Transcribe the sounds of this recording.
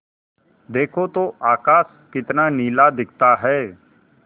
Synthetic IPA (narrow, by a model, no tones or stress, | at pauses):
d̪eːkʰot̪oʔaːkaːs | kɪt̪naniːlad̪ɪk̚ʰt̪aɦɛː